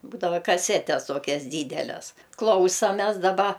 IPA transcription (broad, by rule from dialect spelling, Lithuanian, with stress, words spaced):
ˈbuːdɐʋɐ kɐˈsʲæːtʲɛs ˈtoːkʲɛs ˈdʲiːdʲɛlʲɛs ˈklˠɐʊsɐmʲɛs dɐˈbɐ